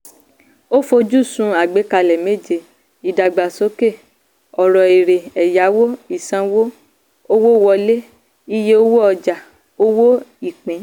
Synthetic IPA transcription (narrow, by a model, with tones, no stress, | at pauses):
o˦fo˧d͡ʒu˦˨sũ˧a˨ɡ͡be˨˦ka˧lɛ˨me˦d͡ʒe˧˨ | i˨da˨ɡ͡ba˨so˨˦ke˦˨ | ɔ˨ɾɔ˨e˨ɾe˨ɛ˨ja˨˦wo˦i˦˨sã˧wo˦ | o˦wo˦˨wɔ˧le˦ | i˦je˦o˦wo˦ɔ˧d͡ʒa˨ | o˦wo˦i˦˨k͡pẽ˨˦